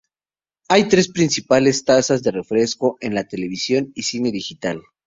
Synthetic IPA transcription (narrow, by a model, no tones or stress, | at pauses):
ajt̪ɾe̞spɾinsipale̞st̪asazðe̞re̞fɾe̞sko̞ʔe̞nlat̪e̞le̞β̞isjo̞nisine̞ðixit̪al